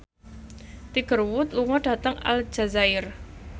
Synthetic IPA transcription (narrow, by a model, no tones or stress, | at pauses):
t̪iɡ̥ərwʊt̪̚luŋɔɖ̥a̤t̪əŋa̰ld͡ʒa̤zaɪr